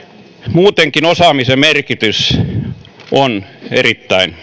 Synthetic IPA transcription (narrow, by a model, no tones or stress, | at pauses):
muːt̪eŋkinosɑːmisemerkit̪ys | onerit̪ːæin